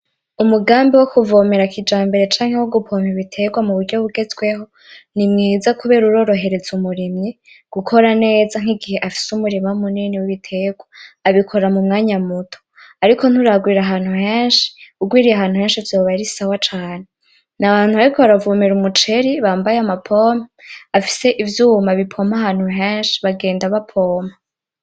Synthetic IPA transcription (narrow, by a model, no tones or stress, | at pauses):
umuɡaːmbiwokuvome̞ɾakid͡ʒaːmbe̞ɾe̞t͡ʃaːŋ̥e̞woɡupʰo̞miβitʰe̞ːɡwamuβuɾɟo̞βuɡe̞zɡwe̞ɦo̞ | nimŋiːzakuβe̞ːɾuɾo̞ːɾo̞ɦe̞ɾe̞zumuɾimɲe | ɡ̥ukʰo̞ɾane̞ːzaŋ̥iɡihe̞ʔafi̥sumuɾimamuniniwiβitʰe̞ːɡwaːβikʰo̞ɾamumŋaːɲamutʰo̥ | aɾikʰo̞n̥uɾaɡwiːɾaɦaːn̥huheːnʃi̥uɡwiːɾijaɦaːnhuheːnʃivjo̞ːβaiɾisawat͡ʃaːne | naβaːn̥huβaɾikʰoβaɾavuːmeɾumut͡ʃe̞ɾiβaːmbajeamapʰo̞ːmaafi̥se̞ʔivjuːmaβipʰo̞mahaːn̥huɦeːnʃi̥βaɡe̞ːndaβapʰo̞ːma